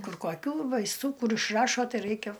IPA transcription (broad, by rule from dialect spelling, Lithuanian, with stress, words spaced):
ˈkʊr koːˈkʲuː ʋɐɪsˈtuː ˈkʊr ɪʃˈrɑːʃoː ˈtɐɪ ˈrɐɪkʲɛ